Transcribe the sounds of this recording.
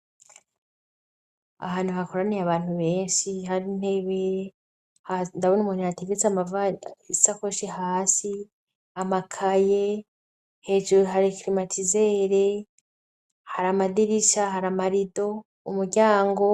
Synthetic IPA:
a̰ɦaːn̥huhako̞ɾanejaβaːn̥huβe̞ːnʃihaɾiːn̥e̞βe | handaβonumunihateɡet͡seamavaisakoʃiɦaːsi | amakʰaje | he̞ːʒuɾoɦaɾikɾimatʰizeːɾe | haɾamadiɾiʃaɦaɾamaɾido̞ | umuɾɟaːŋɡo̞

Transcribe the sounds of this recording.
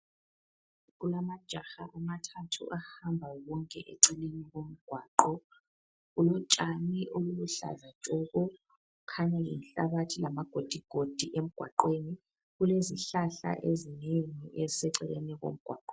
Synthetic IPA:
ɣulamad̥ʒ̥ʱaxaʔamatʰatʰṵʔahambʱawɔŋkʼɛʔɛ̰ǀɛleniɣom̩ɡ̥ʱwaːǃɔ | ɣulɔt͡ʃʼaniʔoluluɬa̰zḁt͡ʃʼɔɣɔ | ukʰaɲɛjḭnɬaβatʰilamaɡ̥ʱod̥ʱiɡ̥ʱod̥ʱiʔem̩ɡ̥ʱwa̰ǃweni | ɣuleziɬaɬa̰ʔezineŋiʔɛzisɛǀɛlenɛɣo̰m̩ɡ̥ʱwa̰ːǃɔ

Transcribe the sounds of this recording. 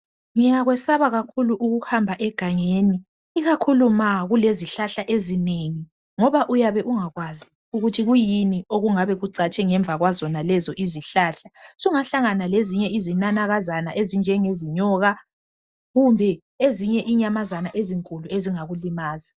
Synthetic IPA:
ŋijaɣwɛsaβaɣakʰuluʔuɣuhambʱaʔɛɡ̥ʱaŋeːni | iɣakʰulumaɣuleziɬaɬaʔezineŋi | ŋɔβaʔujaβɛʔuŋaɣwazi | uɣutʰiɣujinioɣuŋaβɛɣuǀat͡ʃʼɛŋɛɱb̪vʱaɣwazɔnalɛzɔʔiziɬaːɬasuŋaɬaŋanaleziɲɛizinanaɣazanaʔezind͡ʒʱɛŋeziɲɔːɣa | ɣumbʱɛ | eziɲɛʔiɲamazanaʔeziŋkʼulueziŋaɣulimaːzḁ

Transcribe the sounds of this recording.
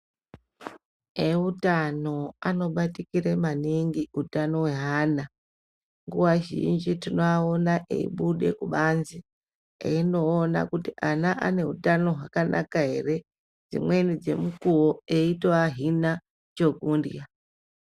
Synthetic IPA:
eutano̞ano̞ɓatikiɾemaniŋɡiutano̞we̞ɦaːna | ŋɡuwaʒḭnd͡ʒitino̞aonaʔḛḭɓuɗe̞̰kuɓanzi | ḛino̞ːna̰kutiʔanaʔa̰ne̞utano̞ɦwakanʔa̰kaɦe̞̰re̞ | d͡zḭmwe̞nid͡ze̞̰mukuwoe̞itoaɦina | t͡ʃoɡʱundḭa

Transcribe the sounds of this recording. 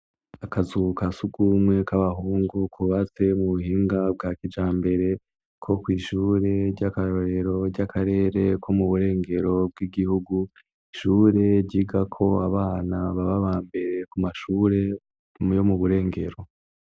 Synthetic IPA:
akazukasuɡumwe̞kaβaɦuːŋɡukʰuβat͡se̞muβuhiːŋɡab̚ɡakid͡ʒaːmbe̞ɾe̞ | kʰo̞kwiːʃuːɾe̞ɟakaɾoɾe̞ɾo̞ɟakʰaɾe̞ːɾe̞kʰomuβuɾe̞ːŋɡe̞ɾo̞b̚ɡiɡihuɡu | iʃuːɾe̞ɟiɡakʰo̞aβaːnaβaβaβaːmbe̞ɾe̞kumaʃuːɾe̞ | jo̞muβuɾe̞ːŋɡe̞̰ɾo̞

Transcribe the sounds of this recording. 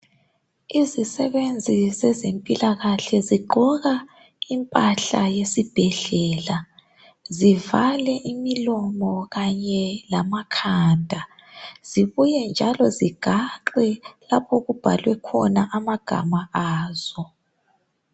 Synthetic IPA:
izisɛβend͡zʱizɛzempʼilaɣaɬɛziɡ͡ǃʱɔɣa | impʼaɬajesib̥ʱɛɮɛːla | zivalɛʔimilɔmɔɣaɲɛlamakʰaːndʱa | z̥iβujɛnd͡ʒʱalɔziɡ̥ʱaǃɛlapʰɔɣub̥ʱa̰lwɛkʰɔnaʔamaɡ̥ʱa̰maaːz̥ɔ

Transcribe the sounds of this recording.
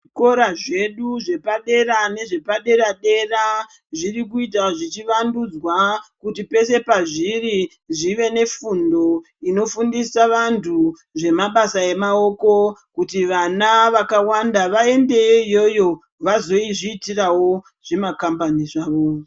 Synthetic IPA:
ko̞ɾaʐe̞ɗuʐe̞paɗe̞ɾane̞ʐe̞paɗe̞ɾaɗe̞ra | ʐirikuit̬aʐit͡ʃiʋandud͡zwakutipe̞se̞paʐiri | ʐiʋe̞ne̞fundo̞ | ino̞fundisaʋantʰu | ʐe̞maɓasae̞mao̞ko̞kutiʋanaʋakawandaʋae̞nde̞jo̞jo̞ | ʋazo̞iʐiːtirawo̞ | ʐ̥e̞makambaniʐaːʋo̞

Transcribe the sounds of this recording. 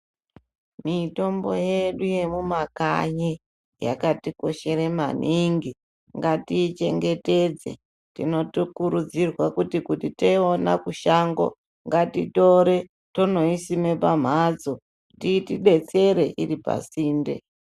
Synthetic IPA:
mito̞mbo̞̰je̞ɗuje̞mumakaɲe | ja̰katiko̞ʃe̞ɾema̰niŋɡi | ŋɡatit͡ʃe̞ŋɡe̞te̞d͡zḛ | tino̞tokuɾud͡zirwakutikutiteiona̰kuʃaŋɡo̞̰ | ŋɡatito̞ɾe | tono̞isime̞pam̤ad͡zo | titiɗe̞t͡se̞ɾe̞ʔiripa̰siːndḛ

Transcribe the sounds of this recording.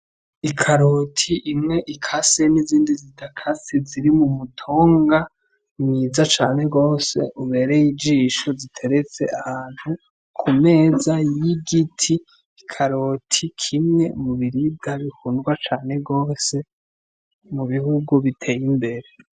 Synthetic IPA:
ikʰaɾo̞tʰiʔimŋe̞ʔikʰaseniziːndizitakʰaseziɾimumutʰoːŋɡa | niːzat͡ʃaːne̞ɡo̞ːse̞̰ʔuβe̞ɾejid͡ʒiːʃozitʰe̞ɾet͡se̞ʔahaːn̥hu | kʰume̞ːzajjiɡitʰiː | kʰaɾotʰikʰimŋe̞muβiɾib̚ɡaβihunɡwat͡ʃaːne̞ɡo̞ːse̞ | muβihuɡuβitʰe̞ːjimbe̞ɾe̞

